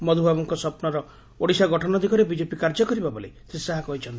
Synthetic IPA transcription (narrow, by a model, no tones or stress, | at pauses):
mɔd̪ʱubʱabɔŋkɔsɔpnɔɾɔ | oɽisaɡɔʈʰɔnɔd̪ʱikɔɾebid͡ʒepikaɾd͡ʒɔkɔɾibabolesɾisaɦakɔɦit͡ʃʰɔnt̪